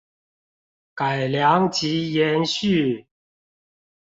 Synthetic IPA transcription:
ka˨˩ɪlja˨˦ŋt͡ɕi˨˧˦jɛ˨˧˦nɕy˥˨

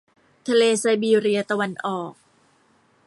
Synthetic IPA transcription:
t̪ʰa˧leː˧sa˧jbiː˧ɾi˧ɐt̪a˧wa˧nʔɔː˨˩k̚

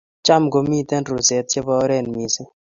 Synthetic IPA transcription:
t͡ʃa˦mɡo˨mi˦˨t̪ɛ˦nɾu˨sɛ˨˦t̪̚t͡ʃe˦bɔ˦ɾɛ˦˨nmi˨sɪ˦

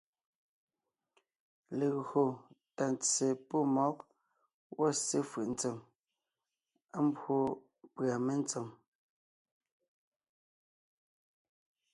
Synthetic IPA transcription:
le˨ɣho˨ta˨nt͡se˨po˦˨mɔ˨˦k | wʔɔ˦˨se˦fɯ˨ʔn̩˨˦t͡se˨m | a˦m˦bwo˦ | pɰa˨me˦n˦t͡so˨m

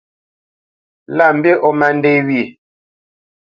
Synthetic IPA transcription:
la˦˨m̩˨be˦ʔɔ˦ma˦n˦de˦wi˦˨

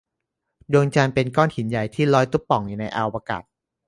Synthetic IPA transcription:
du˧ŋt͡ɕa˧npe˧nkɔː˥˩nhi˩˦nja˨˩jt̪ʰiː˥˩lɔː˦˥jt̪u˦˥p̚ːɔ˨˩ŋjuː˨˩na˧jʔa˧wa˧ka̰˨˩t̪̚

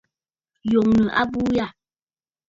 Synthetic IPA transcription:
jo˨ŋnə˨ʔa̰˦buː˦ja˦˨

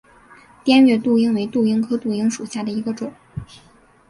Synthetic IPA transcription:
t̪jɛ˥nɥɛ˥˧t̪u˥˩i˥ŋwe˧˥ɪt̪u˥˩i˥ŋkʰɤ˥t̪u˥˩i˥ŋʂu˨˩ɕja˥˩d̪ə˩i˧˥ɡə˧ʈ͡ʂʊ˨˩˦ŋ

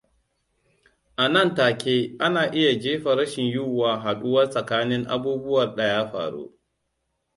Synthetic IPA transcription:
ʔa˨nɐ˦˨ntaː˨kʲeː˦ʔa˦naː˨ʔɪ˦ja˨d͡ʒeː˦ɸa˨ɾɐ˦ʃɪ˨ɲjuː˦waː˨ɦa˨ɗʊ˦wɐ˦rsʼɐ˨kaː˦nɪ˦ŋʔa̰˦buː˦bʊ˦wɐ˨rɗɐ˨jaː˦ɸa̰ː˨ɽo̰˦

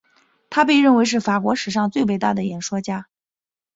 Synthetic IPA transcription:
t̪ʰa˥pe˥˧ɪɻə˥˩nwe˧˥ɪʂ̬ɻ̩˥˩fa˨˩kwɔ˧˥ʂɻ̩˨˩ʂɑ˥˧ŋt͡swe˥˧ɪpe˥˧ɪt̪a˥˩d̪ə˩jɛ˨˩nʂwɔ˥t͡ɕja˥

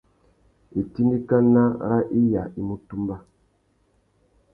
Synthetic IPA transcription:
e˨ti˦ndi˦ka˦na˦˨ɾa˦ʔi˦ja̰˨i˦mu˦tu˦mba˦

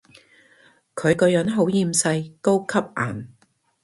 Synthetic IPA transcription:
kʰɵ˨˧ɥkɔː˧jœ˨˥nɦo˨˥wjiː˧msɐ˧jko˥wkʰɐ˥p̚ʔa̰ː˨˩n

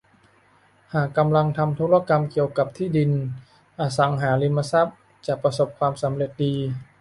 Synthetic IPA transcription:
haː˨˩kːa˧mla˧ŋt̪ʰa˧mt̪ʰoː˧˦˥la˧˥˩ka˧mki˨˩əwka˨˩p̚t̪ʰiː˥˩di˧n | ʔaː˧sa˩˦ŋɦaː˩˦li˧nma˧sa˦˥˩p̚ | t͡ɕa˨˩pɾa˧so˨˩p̚kʰwaː˧msa˩˦mɾe˨˩t̪̚diː˧

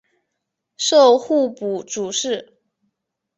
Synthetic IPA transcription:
ʂo˥˧ʊxu˥˩pu˨˩˦ʈ͡ʂu˨˩ʂɻ̩˥˩

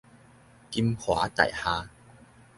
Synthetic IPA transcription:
ki˧˥mhwaː˨˦t̪a̰˨˩jhaː˧

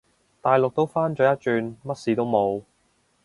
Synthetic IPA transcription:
t̪aː˨jlʊ˨k̚t̪o˥wfaː˥nt͡ʃœː˨˧jɐ˥t̚t͡ʃyː˨˧nmɐ˥t̚siː˨t̪o˥wmo˨˧w

